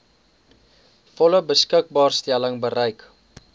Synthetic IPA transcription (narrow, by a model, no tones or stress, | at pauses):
fɔləbəskək̚bɑːrstæləŋbəɾəjk